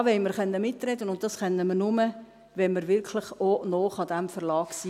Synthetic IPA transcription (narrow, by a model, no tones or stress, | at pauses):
ʋɛɪməɾχœnːəmɪtrɛdənʊnt̚d̥ɑsχɛnːəmənʊmə | ʋɛnməɾʋɪɾkʰlɪχonoːχɑdæmfəɾlɑːksiː